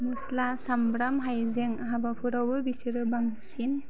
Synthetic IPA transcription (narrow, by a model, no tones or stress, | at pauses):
muslasambɾamɦajzeŋaɦabapʰuɾawbɯbisiɾɯbaŋsin